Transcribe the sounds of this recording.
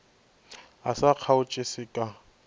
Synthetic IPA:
asaq͡χʰaʊt͡ʃʼɪsɪkʼa

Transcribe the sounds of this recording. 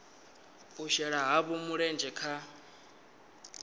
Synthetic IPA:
uʃɛɺaɦaβumuɺɛnd͡ʒɛkʰa

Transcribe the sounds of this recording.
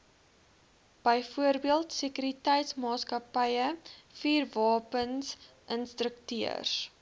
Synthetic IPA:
b̥əjfuərbiəlˠtsəkyɾitɛjtsmɑːskɐpəjəfiːrvɑːpəns | ʔənstrəktiə̰rs

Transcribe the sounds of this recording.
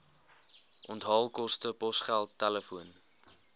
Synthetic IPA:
ʔɔntɦɑːlˠkɔstəpɔsχælˠtːæləfuən

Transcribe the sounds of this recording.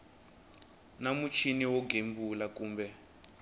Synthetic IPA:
namut͡ʃʰiniwɔɡʱembulakuːmbɛ

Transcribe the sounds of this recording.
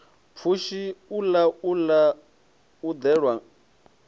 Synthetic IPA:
p̪fʰuʃiulaula | ud̪ɛɺwa

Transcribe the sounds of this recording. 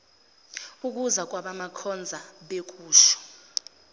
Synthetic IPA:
uk̬ʼuzak̬ʼwaɓamakʰɔnd͡zʱaɓek̬ʼuːʃɔ̥

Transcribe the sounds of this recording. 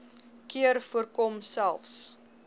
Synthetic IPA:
kiərfuərkɔmsælˠfs

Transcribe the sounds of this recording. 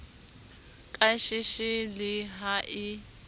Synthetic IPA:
kʼaʃɪʃɪlɪɦaʔɪ

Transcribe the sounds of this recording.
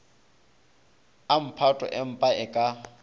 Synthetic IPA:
am̩pʰatʼɔ̰ʔɪm̩pʼaɪkʼa

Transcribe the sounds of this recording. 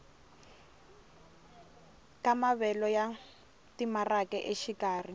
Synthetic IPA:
kamaβɛlɔja | timarakɛʔeʃikaːri

